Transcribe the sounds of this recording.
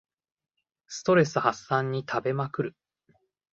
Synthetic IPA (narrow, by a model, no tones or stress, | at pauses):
sɨ̥t̪o̞ɾe̞sɨhasːãɲ̟ːit̪ʰabe̞makɯ̟ɾɯ̟